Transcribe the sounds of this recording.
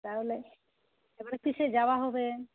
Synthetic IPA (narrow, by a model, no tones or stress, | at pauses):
t̪aɦole | ebaɾekiʃed͡ʑawaɦɔbe